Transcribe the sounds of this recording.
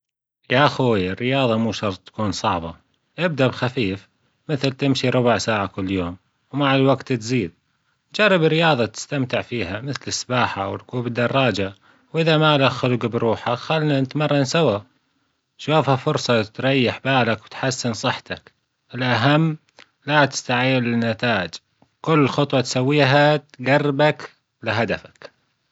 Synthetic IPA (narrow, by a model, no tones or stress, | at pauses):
jaʔxuːjɪrːɪjɑːðˤɑmuːʃɑɾˤtˤt̪ḁkuːnsˤɑʕbɑ | ʔɪb̚d̪abxafiːf | mɪθlt̪ɪmʃiɾˤʊbʊʕsaːʕakʊlːjoːm | wmaʕalwaɡt̪t̪ziːd̪̚ | d͡ʒɑrˤːɪbɪrːɪjɑːðˤɑt̪ɪ̥st̪amt̪ɪʕfiːhamɪθlɪsːbaːħawɪlquːbɪd̪ːɑrˤːɑːd͡ʒa | wʔɪðamalaxʊlɡbɾuːħaxalːnanɪt̪mɑrˤːɑnsawa | ʃuːfhafʊɾsˤɑt̪ɾˤɑjːɪħbaːlakwɪt̪ħasːɪnsˤɨħt̪ak | ʔɪlʔaɦamː | lat̪ɪ̥st̪aʕiːɪlɪnːat̪aːʔɪd͡ʒ | kʊlːxʊt̪ˤwɑt̪sawːiːɦat̪ɡɑrːɪbak | lɪɦad̪afḁk